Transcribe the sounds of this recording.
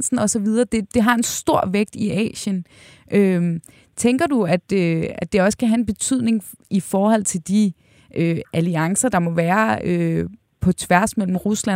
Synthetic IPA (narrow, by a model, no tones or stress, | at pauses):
sn̩ɒ̽sɒ̽ʋið̞ˠɐːd̥e̝d̥e̝ɦɑ̈e̝nsd̥o̝ɐ̰ʋeɡ̥̚d̥iʔɛ̰ːɕən | ʔø | t͡sʰeŋɡ̥ɐduæd̥øæd̥e̝ɒ̽skʰæɦæe̝nb̥e̝t͡sʰyð̰ˠne̝ŋifɒːhɒ̽l̰t͡sʰe̝ld̥i | ʔøʔæliɑ̈ŋsɐd̥ɑ̈mɒ̽ʋæːɐø | pʰɒ̽t͡sʰʋæɐsmel̰m̩ʁuslæ